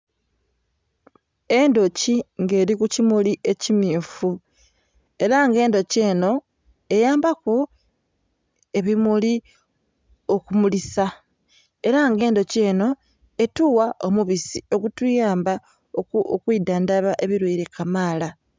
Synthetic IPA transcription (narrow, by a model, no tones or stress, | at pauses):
e̞ndo̞ciŋɡe̞ːɾikucimuliʔe̞cimiːfu | e̞ɾaŋɡe̞ːndo̞ce̞ːno̞ | e̞jaːmbaku | e̞βimuli | o̞kumulisa | e̞ɾaŋɡe̞ːndo̞ce̞ːno̞ | e̞tuwaʔo̞muβisio̞ɡutujaːmba | okwiːdandaβaʔe̞βiɾweːɾe̞kamaːla